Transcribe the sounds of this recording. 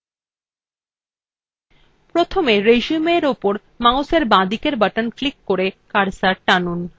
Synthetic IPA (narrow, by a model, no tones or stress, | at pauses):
pɾot̪ʰomeɾeʃumeɾopoɾ | mawseɾbãd̪ikeɾbaʈanflikːoɾekaɾsaʈanun